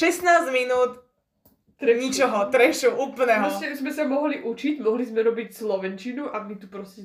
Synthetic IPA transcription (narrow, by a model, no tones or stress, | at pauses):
ʃɛsnaːzminuːt̪ː | ɾɲit͡ʃɔɦɔt̪ɾɛʃuʔuːpl̩nɛɦɾɔstɛzmɛsamɔɦliʔut͡ʃiɟmɔɦlizmɛɾɔbicslɔʋɛnt͡ʃinuʔamit̪upɾɔscʲɛ